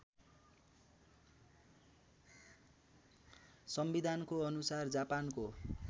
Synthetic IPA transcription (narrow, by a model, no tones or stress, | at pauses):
sʌmbid̪ʱankoʌnusard͡zapanko